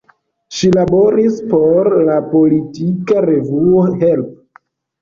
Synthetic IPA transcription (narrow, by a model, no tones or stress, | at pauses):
ʃilabo̞ɾispo̞ɾlapo̞litikaɾe̞vuohelpo